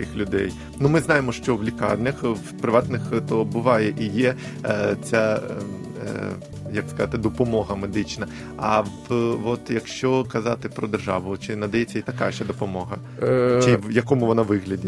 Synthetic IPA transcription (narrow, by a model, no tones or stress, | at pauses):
ɪxlʲʊd̪ɛ̰j | numɪznɑjɪmɔʃt͡ʃɔʋlʲikɑ̰rnʲɐxʋpɾɪʋɑt̪nɪxt̪ɔbʊʋɑjɛʔijɛ | t͡sʲa | jɐkskɐzɑt̪ɪd̪ɔpɔmɔɦɐmed̪ɪt͡ʃnɐ | ɐʋʋɔt̪jɐkʃt͡ʃɔkɐzɑt̪ɪpɾɔd̪erʒɑ̰ʋʊt͡ʃɪnɐd̪ɐjɛt͡sʲːɐit̪ɐkɑʃɐd̪ɔpɔmɔɦɐ | t͡ʃɪjɐkɔmʊʋɔnaʋɪɣlʲɐdʲi